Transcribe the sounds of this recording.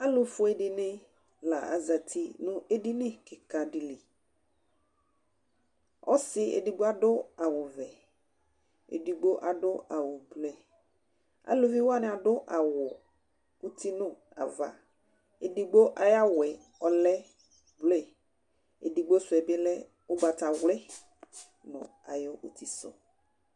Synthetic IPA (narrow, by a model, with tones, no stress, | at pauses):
a˦lʊ˨fʊ˦e˦di˨nɪ̃˦ | la˨a̰˨za˨t̪ʰi˦nʊ̃˦ʔe˦di˦nɪ̃˦kɪ˨ka˨di˨li˨ | ɔ̰˦sɪ˦ḛ˨di˨ɡ͡bo˦a˦ɖʊ˦a˨wʊ˨vɛ˨ | ḛ˨di˨ɡ͡bo˦ʔa˨ɖʊ˦a˨wʊ˨blɛ˨ | a̰˨lo˦vi˦wa˦nɪ̃˨a˨ɖʊ˦ʔa˨wʊ˨ | u˦tʰi˦nʊ̃˦˨ | a̰˨va̰˨ | e˨di˨ɡ͡bo˦ʔa˨ja˦wɛ˨ | ɔ˨lɛ˦ | blɛ˦˨ | e˨di˨ɡ͡bo˦sʊ˨ɛ˨bɪ˦lɛ˦ | ʊ˦ɡ͡ba˨ta˨wlɛ˦ | nʊ̰̃˨ | a˨jʊ˦ʔu˦t̪ʰi˦sʊ̰˨